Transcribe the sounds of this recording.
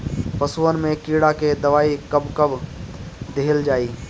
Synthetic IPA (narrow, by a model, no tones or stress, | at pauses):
pɐsuwənmẽkiːɽaked̪ɐʋaːikɐbkɐb | d̪eːld͡ʒaːiː